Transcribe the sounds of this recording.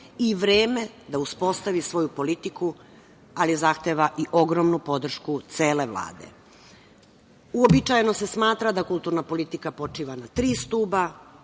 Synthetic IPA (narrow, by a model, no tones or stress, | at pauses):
iʋɾeːme̞d̪auspo̞st̪aʋisʋo̞jupo̞lit̪iku | alizaxt̪eːʋaʔiʔo̞ɡɾomnupo̞d̪r̩ʃkut̪seːle̞ʋlˠa̰ːd̪ḛ | uobit͡ʃajnose̞smaːt̪ɾad̪akulˠt̪uːɾnapo̞lit̪ikapo̞t͡ʂiːʋanat̪ɾiːst̪uːba